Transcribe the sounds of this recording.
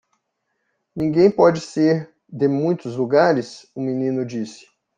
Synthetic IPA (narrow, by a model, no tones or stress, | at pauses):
nĩɡẽj̃pɔd͡ʒɪseɾ | d̪emũj̃t̪ʊzluɡaɾɪsʊminĩnʊd͡ʒisɪ̥